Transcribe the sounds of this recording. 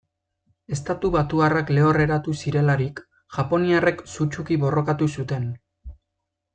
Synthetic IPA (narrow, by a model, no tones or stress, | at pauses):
e̞st̪at̪uβat̪uarakle̞o̞re̞ɾat̪usiɾe̞laɾik | ʝapo̞niare̞ksut͡ʃukiβo̞ro̞kat̪usut̪e̞n